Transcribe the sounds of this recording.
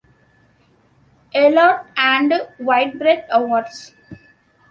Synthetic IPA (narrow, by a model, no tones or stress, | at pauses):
ɛlɔːʈæ̃ɳɖʋaɪʈ̚bɾeʈʌʋɔɾɖs